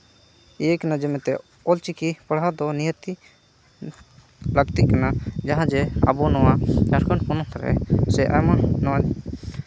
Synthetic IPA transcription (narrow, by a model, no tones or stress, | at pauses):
ijɛkanad͡ʒɛmɛt̪ɛ | ɔlt͡ʃikipəɽɦad̪ɔnijət̪i | ləɡt̪iʔkanad͡ʒaɦãd͡ʒɛa̰bɔnɔwad͡ʒaɾkaɳkɔnɔ̃t̪ʰaɾɛ̰sɛʔa̰jmanɔwa